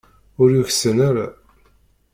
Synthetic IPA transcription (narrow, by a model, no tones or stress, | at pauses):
ʊɾjuçsənaɾa̰